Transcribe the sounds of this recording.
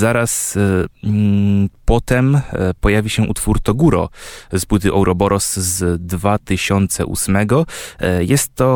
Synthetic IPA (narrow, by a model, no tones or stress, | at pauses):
zaɾas | pɔt̪ɛmpɔjavʲiɕɛʔut̪fuɾt̪ɔɡuɾɔ̰zpwɘt̪̬ɘʔɛwɾʔɔbɔɾɔszd̪vat̪ɘɕɔnt̪sɛ̰ʔṵsmɛɡɔjɛst̪ːɔ